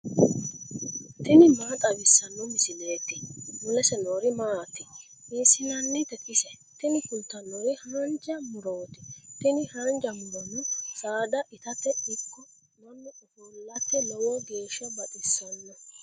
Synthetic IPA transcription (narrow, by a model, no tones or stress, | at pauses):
t̪ɪnɪmaːt̪ʼɐbɪsːɐnːɔmɪsɪle̞ːt̪ːɪmʊlɛsɛnoːɾɪmaːt̪ːɪ | iːsɪnɐnːɪt̪ɛkɪsɛ | t̪ɪnɪkʊnt̪ːɐnːoːɾɪhand͡ʒɐmʊɾo̞ːt̪ɪ̥t̪ɪnɪhɐnd͡ʒɐmʊɾɔnːʊsaːd̪ɐʔɪt̪ɐt̪ːɛɪkːɔ | nɐnːɔʔɔfolːɐt̪ːɛnɛwɔɡe̞ːʃːɐbɐᶑɪsːɔnːɔ